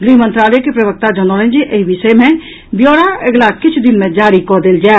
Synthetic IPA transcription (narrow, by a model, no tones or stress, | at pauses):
ɡɾiːɦmə̃nt̪ɾaːlɛkepɾɐbək̚t̪ad͡ʒənolẽnd͡ʒiʔeɦiʋɪʃəjmẽ | bjoːɽaeɡlakɪt͡ʃʰd̪ɪnmẽd͡ʒaːɾikɔd̪eld͡ʒaːe